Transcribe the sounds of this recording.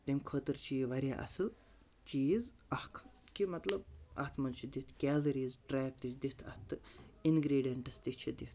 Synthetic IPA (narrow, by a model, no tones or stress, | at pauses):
t̪imkʰoːt̪ɨɾt͡ʃiːʋɐɾʲja̰ːʔɐ̰sɨl | t͡ʃiːz | ɐhkʰ | kimɐt̪lɐbɐ̰ht̪ʰmɐlt͡ʃʰid̪it̪ʰkʲɛːlɐɾiːzʈɾɛːk̚d̪it͡ʃd̪it̪ʰɐ̰t̪ʰːɨinɡɾeːɖijɐɳʈɐst̪iht͡ʃʰid̪it̪ʰ